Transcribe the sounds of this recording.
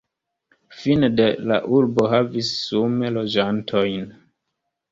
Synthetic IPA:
finede̞la̰ʔuɾbo̞ɦavisːume̞lo̞d͡ʒantʰo̞jn

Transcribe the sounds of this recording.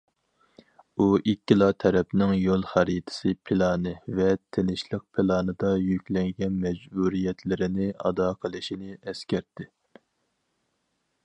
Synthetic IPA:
uʔikʲːilˠɑt̪ʰɛɾɛpnɪŋjolˠχæɾit̪ʰɪ̥sɨpʰɪlˠɑːnɨvɛt̪ʰenɪʃlˠəq̚pʰɪlˠɑːnɨd̪ɑjykʲlɛŋɡʲɛnmɛd͡ʒbuɾijɛt̪ʰlɪɾɪnɪɑ̰d̪ɑqʰəlˠɨʃinɪɛskʲɛɾt̪ʰːɪ

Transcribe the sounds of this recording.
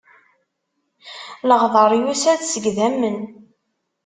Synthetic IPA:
ləʁðˤɑɾˤjusæðsəɡðæmːən

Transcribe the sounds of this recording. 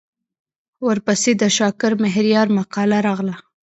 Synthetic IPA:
wəɾpased̪əʃɑkɪɾmɪɦɾijɑɾmaqɑlaɾɑɣla

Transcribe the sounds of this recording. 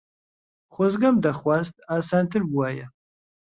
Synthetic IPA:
χʷɔzɡɐmd̪aχwazt̪ʰaːsaːnt̪ʰɨrbuaːja

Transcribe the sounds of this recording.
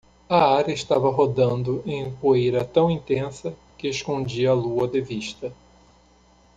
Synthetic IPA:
ɐaɾeʃt̪avɐɦod̪ɐ̃nd̪ʊʔẽj̃poejɾɐt̪ɐ̃w̃ĩnt̪ẽsɐkɪeskõd͡ʒiɐːluɐd̪ɪviʃt̪ɐ

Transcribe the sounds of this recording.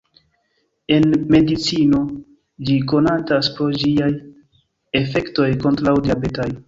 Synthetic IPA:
e̞nme̞dit͡sino̞ | d͡ʒiko̞nataspɾod͡ʒiaj | e̞fe̞kto̞jko̞ntɾawdiabe̞taj

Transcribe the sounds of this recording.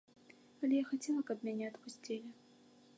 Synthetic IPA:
ɐlʲɛjaxat͡sʲɛlˠɐkɐpmʲanʲɛɐt̪pusʲt͡sʲilʲɪ

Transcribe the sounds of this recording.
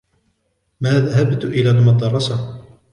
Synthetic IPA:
maːðaɦabt̪ʔɪlaːlmɑd̪ˤɑrˤːɑsa

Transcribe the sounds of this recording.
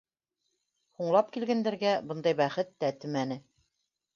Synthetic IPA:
huɴlˠɑp̚kilɡænd̪æɾɡæbɤ̆nd̪ɑjbæχɘt̪ːæt̪ɘ̆mænɘ

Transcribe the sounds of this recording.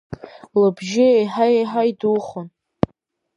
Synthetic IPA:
ləbʒɪejħaeħajduχʊn

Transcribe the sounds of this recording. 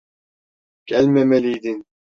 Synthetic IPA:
kɛlmɛmɛliːd̪in

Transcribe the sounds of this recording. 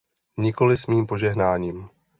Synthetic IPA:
ɲɪko̞lɪsmiːmpo̞ʒɛɦnaːɲiːm

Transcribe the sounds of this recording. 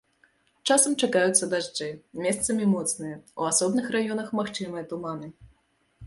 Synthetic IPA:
t͡ʂasɐmt͡ʂakajut̪sːɐd̪aʐd͡ʐɛjmʲɛst̪sɐmʲimɔt̪snɨjɐuasɔbnɨxrajɔnɐxmaxt͡ʂɨmɨjɐt̪umanɨ

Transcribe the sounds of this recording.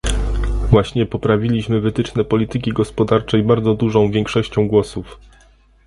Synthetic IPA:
vwaɕɲɛpɔpɾavʲilʲiɕmɘvɘt̪ɘt͡ʂnɛpɔlʲiɘk̬ʲiɡɔspɔd̪aɾt͡ʂɛjbaɾd̪zɔd̪uʐɔ̃w̃vʲjɛŋkʂɔɕt͡ɕɔ̃w̃ɡwɔsuf

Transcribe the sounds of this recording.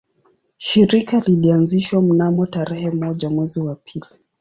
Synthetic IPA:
ʃiɾikalilianziʃwam̩namɔtaɾɛhɛmɔʄamwɛziwapʰili

